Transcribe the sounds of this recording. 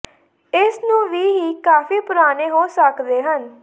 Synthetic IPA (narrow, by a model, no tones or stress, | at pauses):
ɪsnũːʋiːɦiːkaːfiːpʊɾaːneːɦoːsəkd̪eːɦən